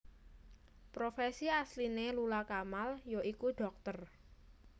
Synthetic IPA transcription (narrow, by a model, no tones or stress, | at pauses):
pɾofesiaslinelulakamaljoʔikuɖ̥ɔk̚t̪ər